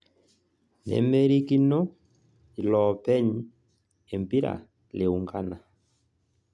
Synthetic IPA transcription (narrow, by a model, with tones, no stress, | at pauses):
nɛ̰˨me˦ɾi˦ki˦nɔ˦ | i˨lɔ˨pɛ˦ɲ˦ | e˨m˨pi˦ɾa̰˨ | le˨u˨ŋɡa˦na˨